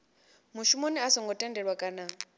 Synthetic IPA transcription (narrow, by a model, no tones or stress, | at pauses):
muʃumoniasɔŋɡʱɔtʼɛndɛɺwakʼana